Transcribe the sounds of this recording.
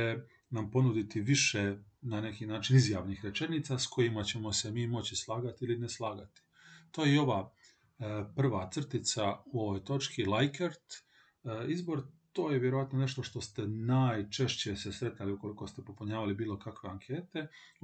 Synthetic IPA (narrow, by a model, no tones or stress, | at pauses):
e | nampo̞nud̪it̪iʋiʃenane̞kinaːt͡ʃinizjaʋnixɾe̞t͡ʃe̞niːt̪sasko̞jimat͡ɕe̞mo̞semiːmo̞t͡ɕislˠaːɡat̪iilineslˠaːɡat̪i̥ | t̪o̞ːjeeo̞ʋaː | pr̩ʋat̪sr̩t̪it̪sauo̞ʋojt̪o̞t͡ʃkilajkeɾt̪ | izboɾt̪o̞ːjeʋjeɾoat̪no̞ne̞ʃt̪o̞ʃt̪o̞st̪e̞najt͡ʃe̞ʃt͡ɕesesɾe̞t̪aliuko̞liko̞st̪e̞popuɲaːʋalibiːlˠo̞kakʋe̞aŋkʰe̞ːt̪e̞